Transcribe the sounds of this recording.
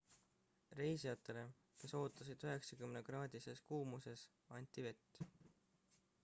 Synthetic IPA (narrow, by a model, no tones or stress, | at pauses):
re̞jsijɑt̪ːˑe̞le̞ | ke̞so̞ːt̪ːˑɑsid̪̥yɦe̞ksɑkymneɡ̥rɑːd̪̥ʲise̞skuːmuse̞s | ɑnʲt̪ːˑive̞t̪ː